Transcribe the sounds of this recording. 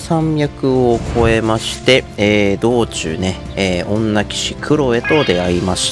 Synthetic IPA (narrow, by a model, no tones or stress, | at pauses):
sãmʲjakɯ̟o̞kʰo̞e̞maɕi̥t̪e̞ːd̪o̞ːt͡ɕɨ̰ːne̞ | eːʔõ̞nːakʲi̥ɕikʰɯ̟ɾo̞e̞t̪o̞d̪e̞aɾimaɕi̥t